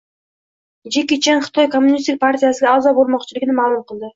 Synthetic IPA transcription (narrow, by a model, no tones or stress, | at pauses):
d͡ʒekʲit͡ʃʰenχɨ̥t̪ʰɒjkʰo̞mːʊnist̪ɪk̚pʰaɾt̪ʰʲijasɪɡʲaːzɒbolˠmɒqt͡ʃʰɪlɪɡʲɪnɪmalˠʊmqʰɨlˠd̪ɪ